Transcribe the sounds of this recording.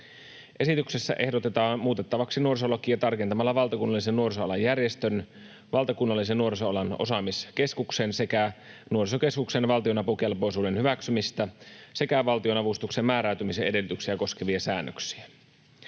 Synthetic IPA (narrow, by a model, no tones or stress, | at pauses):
ʔe̞sit̪ykse̞sːæ̰ʔe̞hdot̪e̞t̪ɑːnmuːt̪e̞t̪ːɑʋɑksinuo̞ris̬olok̟ːˑiɑt̪ɑrkent̪ɑmɑlːɑʋɑlt̪ɑkunːɑlːisenːuo̞risoɑlɑjærjest̪øn | ʋɑlt̪ɑkunːɑlːis̬enːuo̞risoɑlɑno̞̰sɑmiske̞skuksensekænuorisoke̞skuksenʋɑlt̪io̞nɑpuk̟elpo̞jsuːdenhyʋæksymist̪æse̞kæʋɑlt̪io̞nɑʋust̪ukse̞mmæːɾæˑyt̪ymisee̞de̞lyt̪yksiæko̞ske̞ʋiɑsæːnːø̰ksiæ